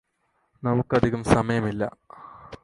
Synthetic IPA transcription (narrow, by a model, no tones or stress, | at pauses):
nɐmukːɐd̪ʱiɣɐmsɐmɐjɐmilːɐ̰